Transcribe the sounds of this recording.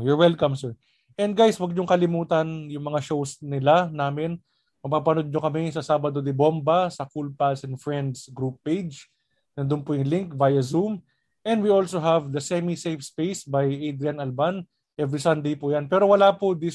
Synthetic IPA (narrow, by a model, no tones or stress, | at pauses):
jɔɹwɛlkɐmsɛɹ | ʔɛnd̪̚ɡajswɐɡ̚ɲʊŋkɐlɪmuːt̪ɐnjʊŋmɐŋaʃowsnɪlanaːmɪn | mɐpapɐnod̪̚ɲokɐmɛsɐsaːbɐd̪od̪ɪbombɐsɐkulpasɛnfɹɛnd̪sɡɾupːejd͡ʒd͡ʒ | nɐd̪ʊnpʊjʊŋlɪŋkvajɐzum | ʔɛ̃nd̪wiolsoɦavd̪ɐsɛmisejfspejsbajʔejd̪ɾianɐlban | ʔɛvɹisɐnd̪ejpʊjanpɛːɾowɐlapʊd̪i